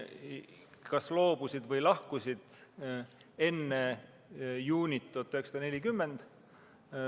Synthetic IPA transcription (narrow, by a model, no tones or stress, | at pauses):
kɑslo̞ːb̥usid̪̥vɤjlɑhkusʲid̪̥ | e̞nːe | juːnʲit̪t̪ːˑot̪ːˑyheksɑd̪ɑne̞lʲikymːe̞nd̪̥